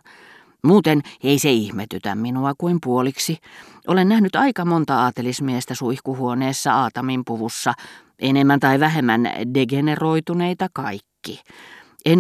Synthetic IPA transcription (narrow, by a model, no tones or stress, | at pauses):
muːt̪eneiseihmet̪yt̪æ̰mminuɑkuimpuoliksiʔolennæhnyt̪ɑikɑmont̪ɑɑːt̪elismiest̪æsuihkuhuoneːsːɑɑːt̪ɑmimpuʋusːɑ | ʔenemːænt̪ɑiʋæhemːæ̰ndeɡeneroit̪uneit̪ɑkɑikːi | ʔen